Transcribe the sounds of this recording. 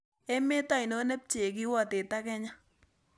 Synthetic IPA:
ɛ˦mɛ˦ta˦˨i˨no˦nɛ˦p̚t͡ʃe˨ki˦wɔ˦˨te˨ta˦kɛ˦ɲa˦

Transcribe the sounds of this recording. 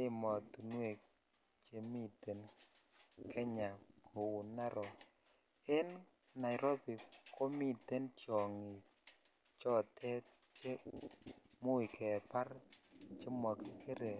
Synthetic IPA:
ɪ˦mɔ˨tu˨nwe˨k | t͡ʃe˦mi˦te˨n | kʰɛ˦ɲa˨ko˨wu˨na˦ɾɔ˨ | e˦n | na˨jɪ˨ɾo˦bi˨ko˦mi˦te˦nt͡ʃɔ˨ŋɪ˨ | t͡ʃɔ˦tʰɛ˦ | t͡ʃe˦ | mʊ˦i˨kʰɛ˨pa˦ɾt͡ʃe˦mɔ˨ki˨kʰe˦ɾe˨

